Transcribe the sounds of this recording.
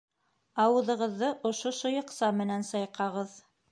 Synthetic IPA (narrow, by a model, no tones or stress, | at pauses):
ɑwɤ̆ðɤ̆ʁɤ̆ðːɤʔŏʃoʃojɤ̆qsɑmɘ̆nænsɑjqɑʁɤð